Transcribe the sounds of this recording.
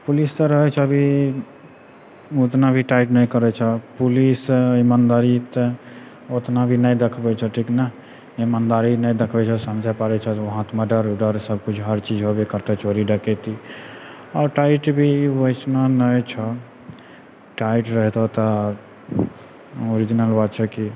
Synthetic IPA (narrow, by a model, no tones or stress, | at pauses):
pulist̪əɾəɦɛt͡ʃʰɛbʱi | ot̪nabʱiʈaiʈnəjkəɾɛt͡ʃʰɛpulisimand̪aɾit̪ | ot̪nabʱinəjd̪ekʰbɛt͡ʃʰɛʈʰiknəɦ | imand̪aɾinəjd̪ekʰbɛt͡ʃʰɛsəmd͡ʒʱapaɾɛt͡ʃʰɛʋoɦãt̪məɖəɾɖəɾsəb̚ʱkut͡ʃʰɦəɾt͡ʃid͡ʒɦobekəɾt̪et͡ʃoɾiɖəkɛt̪i | ɔɾʈaiʈbʱiosnanəjt͡ʃʰɛ | ʈaiʈɾəɦt̪ɔt̪ɔ | oɾid͡ʒinəlbad̪̚t͡ʃʰɛki